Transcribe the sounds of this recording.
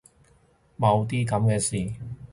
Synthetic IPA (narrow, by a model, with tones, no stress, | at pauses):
mɐ˨˧wt̪iː˥kɐ˨˧mkɛː˧siː˨